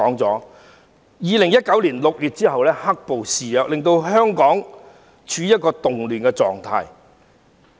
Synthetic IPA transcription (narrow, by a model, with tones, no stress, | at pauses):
ɔː˨˥ŋt͡sɔː˨˥ | jiː˨˧lɪ˨˩ŋjɐ˥t̚kɐ˨˥wliː˨˩nlʊ˨k̚jyː˨t̚t͡siː˥ɦɐ˨wlɛː˥hɐ˥k̚po˨wsiː˨jœː˨˧k̚lɪ˨ŋt̪o˧wɦœː˥ŋkɔː˨˥ŋ | t͡ʃʰyː˨˧jɐ˥t̚kɔː˧t̪ʊ˨ŋlyː˨˩nkɛː˧t͡sɔ̰ː˨ŋt̪ʰa̰ː˧j